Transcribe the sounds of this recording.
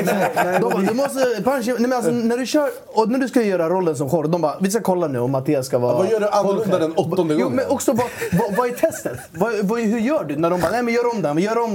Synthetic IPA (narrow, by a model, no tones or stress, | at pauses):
nɛɛd̪ɔd̪mɔst̪əpʰanʃnɛmɛnals̬ɔnæɖɵɕœːɾ | ɔnæɖʉskajœːɾaɾɔlːəns̬ɔmxɔɾd̪ɔmbɑːvɪskakʰɔlːanʉ̟ːɔmːat̪ʰeːaskavɑːvajœːɖɵʔanad̪ɛnɔt̪ːɔnd̪əɡuːmɛnɔksɔvɑvɑvɑːæɾt̪ʰɛst̪ət̪vɑvɑɦɵɾjœːɖɵnæɖɔmbɑːnɛɪmɛnjœːɾɔmd̪ɛmjœːɾɔm